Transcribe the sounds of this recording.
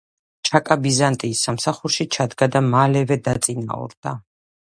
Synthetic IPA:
t͡ʃʰakʼabizant̪ʼiːsamsaχuɾʃit͡ʃʰad̪ɡad̪amalɛvɛd̪at̪sʼina̰ɔ̰ɾd̪̥a

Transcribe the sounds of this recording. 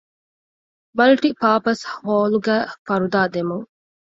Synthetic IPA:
mɐlʈipaːpɐshoːluɡæːfɐɾud̪aːd̪emuŋ

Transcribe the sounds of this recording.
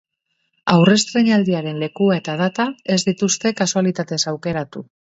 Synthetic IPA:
awre̞st̪ɾeɲald̪iaɾe̞nle̞kuae̞t̪að̞at̪ae̞zd̪it̪ust̪e̞kasualit̪at̪e̞sawke̞ɾat̪u

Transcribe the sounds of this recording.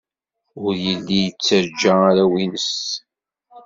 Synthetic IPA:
ʊɾjəlːijət͡sːəɾd͡ʒaɾæwinəs

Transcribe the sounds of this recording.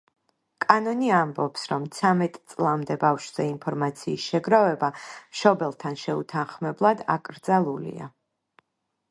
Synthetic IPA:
kʼanɔniambɔpsɾɔmt̪sʰamɛt̪ʼt̪sʼlˠamd̪ɛbafʃz̥ɛinpʰɔɾmat̪sʰiːsʃɛɡɾavɛbamʃɔbɛlˠt̪ʰanʃɛut̪ʰanχmɛblˠad̪a̰kʼɾd̪zalˠulḭa̰

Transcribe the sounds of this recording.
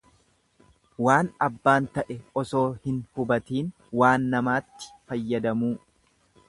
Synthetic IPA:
waːnɐbːaːnt̪ɐʔɛɔso̞ːhɪnhʊbɐt̪iːn | waːnːɐmaːt̪ːɪ̥fɐjːɐd̪ɐmuː

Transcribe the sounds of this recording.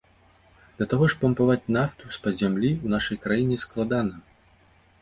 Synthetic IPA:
d̪lʲɐt̪aɣɔʂpɐmpavat͡sʲnaft̪uspɐzʲamlʲiwnaʂɐjkɾajinʲɛsklˠad̪anɐ

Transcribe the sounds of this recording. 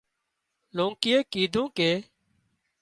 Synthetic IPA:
lõːŋkɪjeːkiːd̪ʱũːkeː

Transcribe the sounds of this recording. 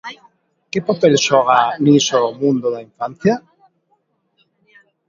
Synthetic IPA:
kɪpapelʃɔɣanisomũnd̪oðaiɱfan̟θja

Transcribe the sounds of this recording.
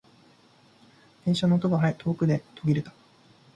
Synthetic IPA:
hẽ̞ɰ̃ɕonoːt̪obaɦait̪ʰo̞ːkɯ̟d̪e̞t̪ʰo̞ɡʲiɾet̪ḁ

